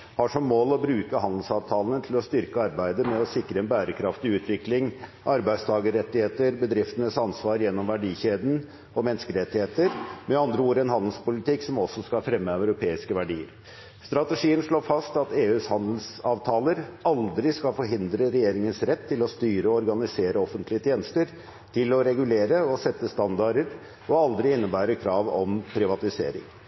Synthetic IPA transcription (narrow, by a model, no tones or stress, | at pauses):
hɑʂɔmːoːlɔbɾʉːkəhɑnd̪l̩sɑːʋt̪ʰɑːlənət̪ʰɪlɔst̪ʏɾkəɑɾbæɪd̪əmɛɔsɪkɾəɛnbæːɾəkʰɾɑft̪ɪʉːt̪ʰʋɪklɪŋʔɑɾbæɪd̪st̪ʰɑːɡəɾɛt̪ːɪheːt̪əɾbəd̪ɾɪft̪ənəsɑnsʋɑːɾjɛnːɔmʋæɖiːçeːd̪n̩ | ɔmɛnskəɾɛt̪ːɪheːt̪əɾmɛɑnd̪ɾəuːɾɛnhɑnd̪lspʊlɪt̪ɪksɔmɔsːɔskɑfɾɛmːəæʉɾʊpʰeːɪskəʋæɖiːə̰ɾ | st̪ɾɑt̪əʂiːənʂɭoːfɑst̪ɑt̪eːʉːshɑnd̪l̩sɑːʋt̪ʰɑːləɾɑld̪ɾɪskɑfɔɾɦɪnd̪ɾəɾɛjeːɾɪŋənsɾɛt̪ʰːɪlɔst̪yːɾəɔɔɾɡɑnɪseːɾəɔfənt̪lɪət̪ʰjeːnəst̪əɾ | t̪ʰɪlɔɾɛɡʉleːɾəɔsɛt̪ːəst̪ɑnd̪ɑɖəɾ | ɔɑld̪ɾɪɪnːəbæːɾəkʰɾɑːʋɔ̰mpʰɾɪʋɑt̪ɪsḛːɾɪ̰ŋ